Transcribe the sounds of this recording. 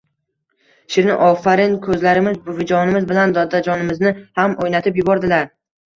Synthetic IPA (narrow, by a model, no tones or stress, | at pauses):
ʃɪɾnɪʔɒfaɾɪnkʰɵzlaɾɪmɪzbʊhʊd͡ʒɒnɪmɪzbɪland̪ɒd̪ad͡ʒɒnɪmɪznɪhamojnat̪ʰɪpjʊbɒɾd̪ɪlaɾ